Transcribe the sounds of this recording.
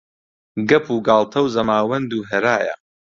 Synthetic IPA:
ɡɐpʰuːɡaːlˠt̪ʰɐwzɐmaːwɐnd̪uːɦɐɾaːjɐ̰

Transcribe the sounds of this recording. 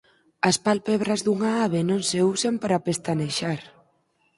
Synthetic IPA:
aspalpeβɾazðuŋaaβenõnseusampaɾapest̪aneʃaɾ

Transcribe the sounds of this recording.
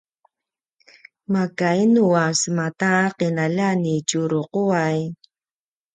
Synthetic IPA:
makajnuasmat̪aqenaʎanit͡ʃuɾoquaj

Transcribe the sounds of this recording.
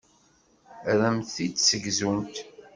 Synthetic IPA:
ɾæmθθit͡sːsəɡzunt̪

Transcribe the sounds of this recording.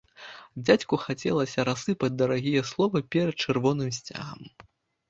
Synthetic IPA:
d͡zʲat͡sʲkuxat͡sʲɛ̰lˠɐsʲɐɾasɨpɐd͡zʲd̪ɐɾaɣʲijɛslˠɔvɐpʲɛɾɐt̪̚t͡ʂɛrvɔnɨmsʲt͡sʲa̰ɣɐ̰m

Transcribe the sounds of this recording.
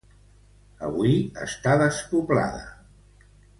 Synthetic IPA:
əβuiə̰st̪aðəspupla̰ðə

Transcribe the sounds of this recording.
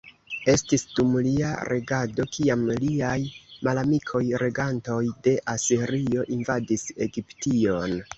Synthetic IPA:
e̞stisdumlia̰ɾʔe̞ɡado̞kiamliajmalamikʰo̞jɾe̞ɡanto̞jde̞ʔasiɾio̞ʔinvadise̞ɡiptio̞n

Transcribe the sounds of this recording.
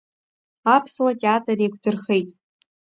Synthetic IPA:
apʰswatʼeatʰʼareɡʷdɨrχe̞jtʼ

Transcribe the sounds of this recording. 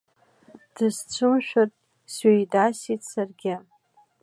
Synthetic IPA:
d̥ɨzt͡ɕʷʰɨmʃᶣatʼ | sɥejdasitʰʼsarɡʲa

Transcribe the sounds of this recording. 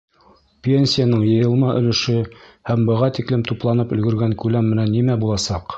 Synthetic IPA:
pʲenʲsʲijanɤɴjɤ̆jɤ̆lˠmɑʔɵ̰̆lɘ̆ʃɵhæmbɤ̆ʁɑt̪iklɘmt̪uplˠɑnɤpɵ̆lɡɵ̆ɾɡæŋkʉlæmːɘ̆nænːimæbulˠɑsɑq

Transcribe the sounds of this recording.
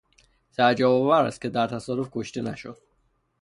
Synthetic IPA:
sæɾd͡ʒæbɒvæɾæ̰st̪̚cʰe̞d̪æɾt̪ʰæsɒːɾofkʰoʃt̪enæʃod̪̥

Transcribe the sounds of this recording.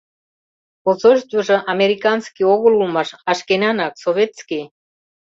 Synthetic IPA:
ozoʃt̪vəʒɤ̆ʔɑmeɾikɑnskioɣə̆lulmɑʃɑʃkenɑnɑksoβet̪ski

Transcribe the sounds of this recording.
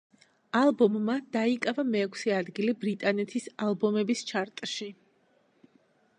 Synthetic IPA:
alˠbɔmːad̪̥aikʼavamɛːkʰsɛad̪ɡilibɾit̪ʼanɛt̪ʰisalˠbɔmɛbist͡ʃʰaɾt̪ʼʃi

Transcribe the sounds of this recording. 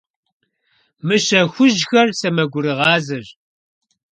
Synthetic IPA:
mɨɕɐxʷʊʒxɐrsɐmɐɡʷʊɾɨʁɑːzɨʒ

